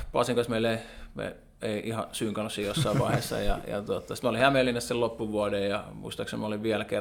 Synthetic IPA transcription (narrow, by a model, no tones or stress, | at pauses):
pɑ̰ˑsiŋkɑsmeˑileimḛˑ | eˑiʔihɑsyːŋkɑnosijosːɑˑiʋʋɑ̰ˑihesːɑ̰jɑ̰jɑ̰t̪uot̪ːɑsi̥t̪mæolihæmelːinessellopːuʋuɑdejjɑmṵist̪ɑksemmɑoliʋʋiælæke